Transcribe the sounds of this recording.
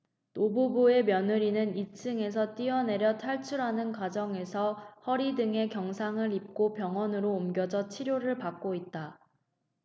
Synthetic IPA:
tobubue̞mjʌnɯɾinɯnit͡ɕʰɯŋe̞s̬ʰʌt͈iʌne̞ɾjʌtʰaɭt͡ɕʰuɾɦanɯnkwad͡ʑʌŋe̞sʰʌhʌɾidɯŋe̞kjʌŋsʰaŋɯɾip̚k͈opjʌŋwʌnɯɾoːmɡjʌd͡ʑʌt͡ɕʰiɾjoɾɯɭpak̚k͈oit̚t͈a

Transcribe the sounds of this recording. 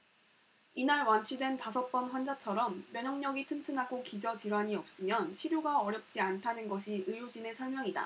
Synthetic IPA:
inaɭwant͡ɕʰidwe̞ntasʰʌp͈ʌnɸwand͡ʑat͡ɕʰʌɾʌmːjʌɲʌŋɲʌɡitʰɯntʰɯnaɡokid͡ʑʌt͡ɕiɾwaɲiʌp̚s͈ɯmjʌnɕʰiɾjoɡaʌɾjʌp̚t͡ɕ͈iantʰanɯnɡʌɕʰiɯjod͡ʑinesʰʌɭmjʌŋida̰

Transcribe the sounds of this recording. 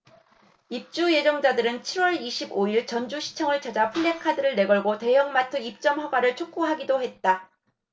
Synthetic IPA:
ip̚t͡ɕ͈uje̞d͡ʑʌŋd͡ʑadɯɾɯnt͡ɕʰiɾwʌɭiɕʰiboiɭt͡ɕʌnd͡ʑuɕʰi̥t͡ɕʰʌŋɯɭt͡ɕad͡ʑapʰuɭːe̞kʰadɯɾɯɭne̞ɡʌɭɡote̞jʌŋmatʰɯip̚t͡ɕ͈ʌmɸwaɡwaɾɯɭt͡ɕʰok͈oɦaɡidohe̞t̚t͈a

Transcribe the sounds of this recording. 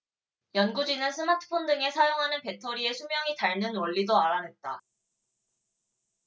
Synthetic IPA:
jʌnɡud͡ʑinɯnsʰɯmatʰɯ̥pʰondɯŋe̞sʰajoŋɦanɯnpe̞tʰoɾie̞sʰumjʌŋitaɭnɯnwʌɭːidoaɾanɦe̞t̚t͈a

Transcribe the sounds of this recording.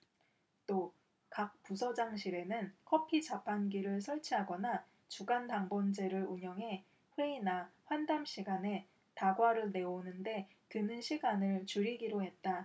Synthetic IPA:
t͈o | kak̚p͈usʰʌd͡ʑaŋɕʰiɾe̞nɯnkʰʌpʰid͡ʑapʰanɡiɾɯɭsʰʌɭt͡ɕʰiɦaɡʌna | t͡ɕuɡantaŋbʌnd͡ʑe̞ɾɯɭuɲʌŋɦe̞ | ɸweinaɸwandamɕʰiɡane̞ | taɡwaɾɯɭne̞onɯnde̞ | tɯnɯnɕʰiɡanɯɭt͡ɕuɾiɡiɾoɦe̞t̚t͈a

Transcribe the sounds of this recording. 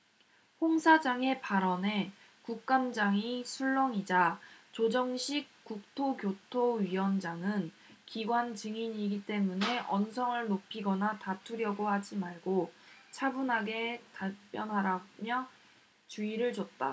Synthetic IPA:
ɸoŋsʰad͡ʑaŋe̞paɾʌne̞ | kuk̚k͈amd͡ʑaŋisʰuɭːʌŋid͡ʑat͡ɕod͡ʑʌŋɕʰik̚k͈uk̚tʰokjotʰoɥiwʌnd͡ʑaŋɯn | kiɡwand͡ʑɯŋiɲiɡit͈e̞mune̞ʔʌnsʰʌŋɯɭnopʰiɡʌnatatʰuɾjʌɡohad͡ʑimaɭɡot͡ɕʰabunɦaɡe̞tap͈jʌnɦaɾamjʌ | t͡ɕuiɾɯɭd͡ʑot̚t͈a

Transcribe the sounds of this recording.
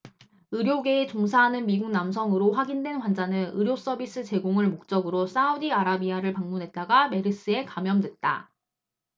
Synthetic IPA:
ɯɾjoɡe̞ːt͡ɕoŋs̬ʰaɦːnɯnmiɡuŋnams̬ʰʌŋɯɾoɸwaɡindwe̞nkwand͡ʑanɯnɯɾjos͈ʌbis͈ɯt͡ɕe̞ɡoŋɯɭmok̚t͡ɕ͈ʌɡɯɾos͈audiaɾabiaɾɯɭpaŋmunɦe̞t̚t͈aɡame̞ɾɯs͈ɯe̞kamjʌmdwe̞t̚t͈a̰

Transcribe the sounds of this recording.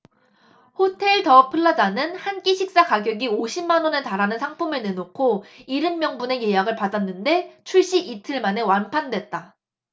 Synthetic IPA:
hotʰe̞ɭtʌpʰɯɭːad͡ʑanɯnhank͈iɕʰik̚s͈akaɡjʌɡioɕʰimːanwʌneɭtaɾanɯnsʰaŋpʰumɯɭnenokʰoiɾɯmːjʌŋbune̞je̞jaɡɯɭpadanːɯnde̞t͡ɕʰuɭɕ͈iitʰɯɭmane̞wanpʰandwe̞t̚t͈a

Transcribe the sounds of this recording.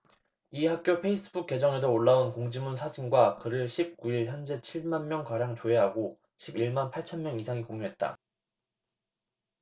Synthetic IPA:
ihak̚k͈jopʰe̞is͈ɯbuk̚k͈ːe̞d͡ʑʌŋe̞s̬ʰʌoɭːaunkoŋd͡ʑimunsʰad͡ʑʰiŋɡwakɯɾɯɭɕʰip̚k͈uiɭçjʌnd͡ʑe̞t͡ɕʰiɭmanmjʌŋkaɾjaŋt͡ɕoe̞ɦaɡo | ɕʰibiɭmanpʰaɭt͡ɕʰʌnmjʌŋisʰaŋikoŋjoɦe̞t̚t͈a̰

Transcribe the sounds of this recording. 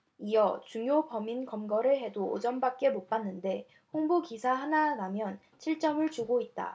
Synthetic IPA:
ijʌt͡ɕuŋjobʌminkʌmɡʌɾɯɭɦe̞do̰ːd͡ʑʌmbak̚k͈e̞mok̚p͈anːɯnde̞ | ɸoŋbukisʰaɦananamjʌn | t͡ɕʰiɭt͡ɕ͈ʌmɯɭt͡ɕuɡoit̚t͈a̰

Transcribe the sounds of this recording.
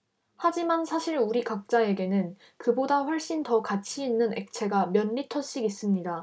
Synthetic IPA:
had͡ʑimansʰaɕʰiɾuɾikak̚t͡ɕ͈ae̞ɡe̞nɯn | kɯbodaɸwʌɭɕ͈intʌkat͡ɕʰiːnːɯne̞k̚t͡ɕʰe̞ɡamjʌnːitʰʌɕ͈iɡis͈ɯmɲida

